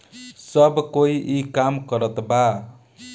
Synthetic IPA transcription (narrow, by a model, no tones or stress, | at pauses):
sʌbkoiʔikamkʌɾʌt̪ba